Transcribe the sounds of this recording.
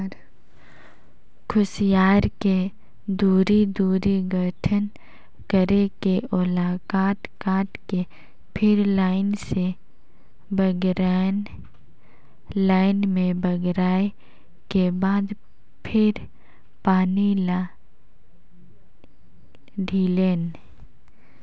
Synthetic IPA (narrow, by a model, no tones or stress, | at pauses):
ɾ | kʰʊsjaːɾke | d̪uːɾid̪uːɾiɡʱəʈʰən | kəɾekeʊlaːkaːt̪kãːʈke | pʰɪɾlaːɪnse | bəɡɾan | laːɪnmẽbəɡɾaːe | kebaːd̪ | pʰɪɾ | paːnila | ɖʱiːleːn